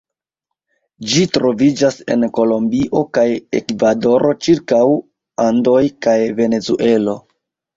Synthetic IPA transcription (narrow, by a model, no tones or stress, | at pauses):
d͡ʒitɾo̞vid͡ʒase̞̰nko̞lo̞mbiʔo̞kajekvado̞ɾʔo̞t͡ʃiɾkaw | ando̞jkajve̞ne̞zuʔe̞lo̞